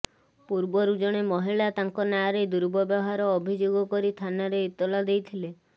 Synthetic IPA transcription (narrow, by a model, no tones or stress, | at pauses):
puɾbɔɾud͡ʒɔɽ̃emɔɦiɭat̪aŋkɔnaɾed̪uɾbɔbjɔɔɦaɾɔːbʱid͡ʒoɡɔkɔɾit̪ʰanaɾeit̪ɔlɔd̪ejt̪ʰile